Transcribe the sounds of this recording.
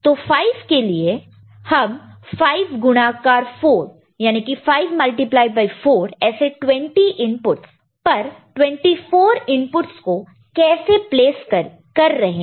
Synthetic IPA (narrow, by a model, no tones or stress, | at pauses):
t̪oːfaːɪʋkelie | hɐmfaːɪʋɡʊñaːkaːɾfoːɾ | jaːnikifaːɪʋmɐlʈiplaːɪɖ̚baːɪfoːɾɛːseʈwɛ̃ɳʈiʔɪ̃mpʊʈs | pɐɾʈwɛ̃ɳʈifoːɾɪ̃mpʊʈsko | kɛːsepleːs | kɐɾːɐɦẽ